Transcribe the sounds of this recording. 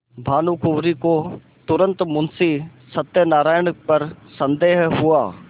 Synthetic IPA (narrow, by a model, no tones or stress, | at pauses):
bʱaːnukʊʋɾiko | t̪ʊɾə̃nt̪mʊnsisɐt̪jənaːɾaːjəɳpɐɾsɐ̃nd̪eːɦɦʊaː